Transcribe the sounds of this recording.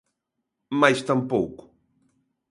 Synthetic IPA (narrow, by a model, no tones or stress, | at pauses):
majst̪ampo̰wkʊ̥